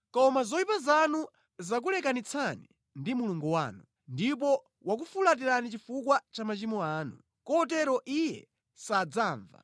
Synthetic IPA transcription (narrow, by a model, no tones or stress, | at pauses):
kɔmazɔipazanu | zak̬ulɛkanit͡sʰanḭ | ndimuluŋɡuwaːnu | ndip̬ɔ | wak̬ufulat̬iɾanit͡ʃifukwat͡ʃamat͡ʃimɔaːnṵ | kɔt̬ɛɾɔʔijɛ̰ | sad͡zaːɱva̰